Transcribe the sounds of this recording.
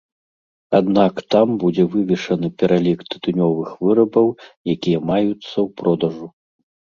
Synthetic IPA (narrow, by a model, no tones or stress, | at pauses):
ad̪nakt̪ambud͡zʲɛvɨvʲɛʂɐnɨpʲɛɾalʲikt̪ɨ̥t̪unʲɔvɨxvɨɾɐbɐwjakʲijɐmajut̪sːɐwpɾɔd̪ɐʐu